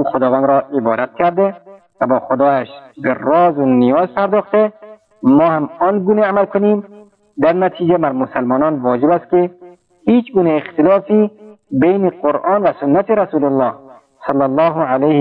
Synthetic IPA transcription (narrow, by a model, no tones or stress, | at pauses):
uːxʊd̪ɒːvænd̪ɾɔːʔɪbɒ̰ːd̪at̪̚kʲʰæɾd̪e | vabɒːxʊd̪ɒːæʃberɒːzʊnijɒːzpʰæɾd̪ɔːxt̪e | mɒːhamɔːnɡuːneamælkʰʊniːm | d̪æɾnæt̪ʰiːd͡ʒebæɾmʊsalmɒːnɒnvɒːd͡ʒɪbæst̪ke | hiːt͡ʃɡuːneext̪ɪlɒːfibejneqoɾɑːnvæsʊnːat̪ʰeɾasuːlʊlːɑːh | sɑlːalːɑːɦʊʕalejh